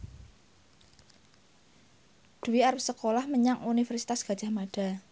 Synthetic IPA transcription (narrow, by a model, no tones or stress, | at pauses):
d̪̥ṳiaɾəsəkolahməɲaŋunifɛrsi̥t̪asɡ̥a̤dd͡ʒ̥a̤hmaɖ̥a̤